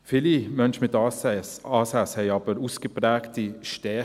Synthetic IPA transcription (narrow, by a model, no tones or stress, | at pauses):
fɪlimœnʃmɪt̪ː | ɑːsæshɛɪɑːbəɾuːsɡ̥əpʰɾæːkt̪iʃte